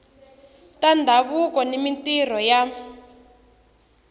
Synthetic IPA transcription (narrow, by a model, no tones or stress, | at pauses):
tandʱaβukɔnimintir̤ɔja